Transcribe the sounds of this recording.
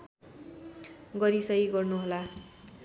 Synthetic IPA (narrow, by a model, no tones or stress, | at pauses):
ɡʌɾisʌiɡʌrnuɦola